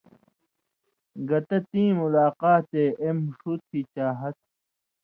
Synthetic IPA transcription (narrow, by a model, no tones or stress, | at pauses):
ɡɐt̪ɐt̪ĩːmulaːqaːt̪eːʔemʂut̪ʰit͡ɕaːɦɐt̪̚